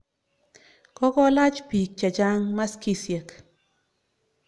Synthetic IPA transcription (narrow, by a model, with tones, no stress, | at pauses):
kɔ˦kɔ˦la˦t͡ʃpi˨k̚t͡ʃa˨d͡ʒa˦ŋma˦ski˦sje˨k